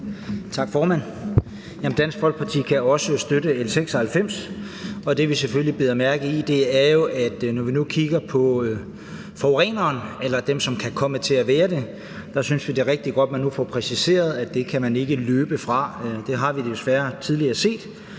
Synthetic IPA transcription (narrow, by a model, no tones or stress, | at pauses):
t͡sʰɑ̈ɡ̥fɒːmæn̰ | jæmn̩d̥æn̰sɡ̥fɒ̽l̰ɡ̥̚pʰɑ̈t͡sʰḭːkʰæɒ̽səsd̥øɾəelseɡ̥sɒhælfem̰s | ɒ̽d̥e̝ʋiseføllib̥e̝ðˠɐmæɐɡ̥ð̩ˠid̥e̝æɐjo̝ʔæd̥nɒʋinukʰiɡ̥ɐpʰɒ̽ | fɒʊʁɛ̰ːnɐːnelɐd̥emsɒ̽mkʰækʰɒ̽mət͡sʰe̝æʋɛːɐd̥e̝ | d̥ɑ̈synsʋid̥eʁeɡ̥̚d̥iɡ̥ɒ̽d̥̚mænːufɒpʰʁɛsise̝̰ːɐð̞ˠæd̥e̝kʰæmæne̝ɡ̥əløːb̥əfʁɑ̈d̥e̝ɦɑ̈ʋid̥esʋæɐt͡sʰið̞ˠliɐse̝̰ːd̥